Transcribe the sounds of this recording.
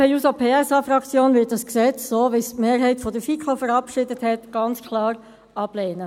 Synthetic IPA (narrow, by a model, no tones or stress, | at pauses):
ejuːsɑpʰeːɛsɑfrɑkt͡sjoːnvɪt̚d̥ɑsksɛt͡ssoːʋɪstmeːɾɦɛɪtfɔdəfikʰofəɾɑpʃɪdəthɛtɡ̥ɑnt͡skʰlɑːɾ | ɑb̥leːnə